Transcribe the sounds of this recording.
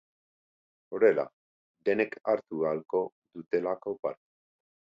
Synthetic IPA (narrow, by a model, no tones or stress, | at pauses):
o̞ɾe̞la̰ | d̪e̞ne̞kʰaɾt̪ualko̞ | ðut̪e̞lako̞pa̰ɾt̪e